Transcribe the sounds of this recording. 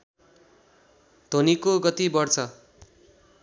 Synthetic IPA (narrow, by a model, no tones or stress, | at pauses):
d̪̥ʱonikoɡʌt̪ibʌrt͡sʰʌ